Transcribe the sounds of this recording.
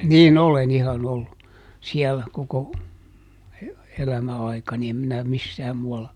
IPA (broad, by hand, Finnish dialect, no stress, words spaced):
niːn olen ihɑn olːu siælːæ koko elæmæ ɑikɑni em minæ misːæːm muɑlːɑ